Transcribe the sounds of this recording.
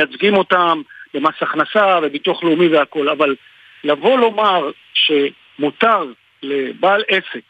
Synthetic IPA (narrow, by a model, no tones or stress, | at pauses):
jat͡sɡimo̞t̪ambemasaχnasave̞bit̪uaχleumiveako̞laval | lavo̞lo̞maʁ | ʃe̞ | mut̪aʁ | le̞baːlese̞k